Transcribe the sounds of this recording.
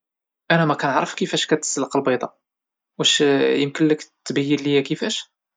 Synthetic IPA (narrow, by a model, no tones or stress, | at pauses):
ʔænæmækænəʕɾˤəfkəfæʃkæt̪ə̥sələqəlbɑjd̪ˤɑ̰ | wæʃjəmkənləkt̪ːbæjːənlijækəfæʃ